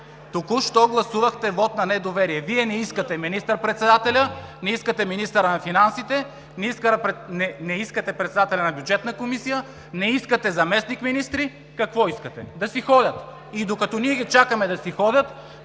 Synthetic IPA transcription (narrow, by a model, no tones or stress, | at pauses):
t̪okʊʃt̪ɔɡlˠɐsuvɐxt̪ɛvɔt̪nɐnɛd̪ovɛɾiɛviɛnɛiskət̪ɛminist̪ɐɾpɾɛt̪sɛd̪at̪ɛlʲənɛiskət̪ɛminist̪əɾɐnɐfinansit̪ɛ | nɛiskəɾpɛnɛnɛiskɐt̪ɛpɾɛt̪sɛd̪at̪ɛlʲɐnɐbjud͡ʒɛt̪nəkomisijə | nɛiskət̪ɛzɐmɛsnikminist̪ɾi | kɐkvɔiskɐt̪ɛ̰d̪ɐsixɔd̪ʲɐt̪ | id̪okɐt̪ɔniɛɡʲit͡ʃakəmɛd̪ɐsixɔd̪ʲɐt̪